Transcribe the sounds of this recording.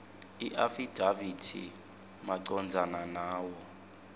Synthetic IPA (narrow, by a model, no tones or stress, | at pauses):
iʔafid̥ʱavitʰḭ | maǀɔnd͡zʱananaːwɔ